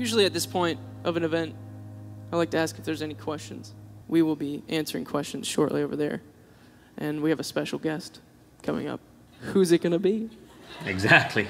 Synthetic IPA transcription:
jʉʒl̩ˠiɨt̪̚ðɪspʰɔ̃ɪ̃nt | ʔʌvɨ̃nɨvɛ̃nt̚aɪdlaɪk̚tʰɨæskɨfðə˞zɛnikʰw̥ɛst͡ʃɨ̃n̩z̥wiwɪlˠbiʔæ̃nsə˞ɪ̃ŋkʰw̥ɛst͡ʃɨ̃n̩z̥ʃɔ̰ɹʔlioʊvə̰˞ðə̰˞ | ʔɨ̃nwiɨvɨspɛʃl̩ˠɡɛst | kʰʌ̃mɪ̰̃ŋʌ̰p̚ | huzɨt̚ɡ̥ʌnɨbiɪɡzæk̚tʰˡli

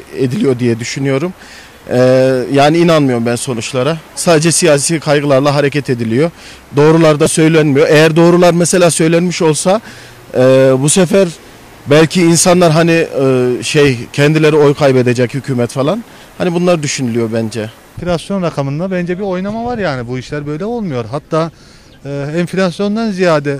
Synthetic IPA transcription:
ed̪ilʲijo̞d̪ijɛd̪yʃynyjo̞ɾum | ɛːjaːniiːnanmɯjo̞ɾumbænso̞nut͡ʃlˠaɾasaːd̪ed͡ʒɛsijaːsiːkʰajɡɯlˠaɾlˠaɦaɾecʰɛt̪ʰe̞d̪ilʲijo̞ | d̪o̞ːɾulˠaɾd̪asø̞jlʲænmijo̞ʔejæɾd̪o̞ːɾulˠaɾmɛse̞lʲaːsø̞jlʲænmiʃo̞lˠsa | ɛːbusefæɾ | bælʲcʰiːnsanlˠaɾɦaniʃejcʰɛnd̪ilʲe̞ɾio̞jkʰajbe̞d̪ed͡ʒɛchycʰyːmɛt̪falˠan | hanibunlˠaɾɯd̪yʃynylyjo̞bænd͡ʒɛ | flʲasjo̞nɾakʰamɯnd̪abænd͡ʒɛbio̞jnamavaɾjaːnibuiʃlʲæɾbø̞jlʲɛo̞lˠmujo̞ɾɦat̪ʰːaː | ɛɱflʲasjo̞nd̪anzijaːd̪ɛ

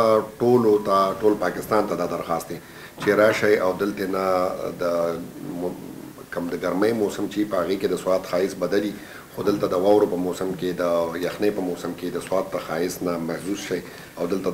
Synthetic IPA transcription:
ʈolot̪aʈolpɑkɪst̪ɑnt̪ad̪ɑd̪aɾxɑst̪d̪e | t͡ʃeɾɑʃajawd̪əlt̪enad̪əm | kəmd̪əɡaɾməjmosəmt͡ʃeipəhaɣeked̪əswɑːt̪xɑɪsbad̪ali | xod̪əlt̪ad̪əwɑwɾopəmosamked̪əjaxnepəmosɪmked̪əswɑt̪̚ːəxɑɪsnamahzusʃaj | awd̪əlt̪a

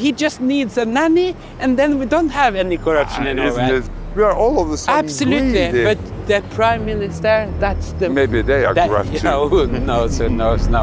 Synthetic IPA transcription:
hid͡ʒʌstnidzɨnæni | ʔɨ̃nðɨ̃nwidõʊ̃nt̚həvɛnikʰə˞ʌpʃɨ̃nɛ̃niwewiəʔɔlˠʌvðəsæb̥sɨlʉtˡlib̥ʌt̪̚ | ðɨpʰɹ̥ãɪ̃mːɪnɨstə˞ðætsðɨmeɪbiɨdeɪə̰kəɹʌ̰onoʊsoʊnoʊɪsno

